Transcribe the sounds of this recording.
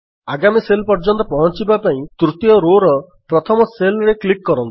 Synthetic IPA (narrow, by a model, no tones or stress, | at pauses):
aɡamiselpɔɾd͡ʒɔnt̪ɔpɔɦɔt͡ʃibapaĩt̪ɾut̪ijɔɾoɾɔ | pɾɔt̪ʰɔmɔselɔɾeklikːɔɾɔnt̪i̥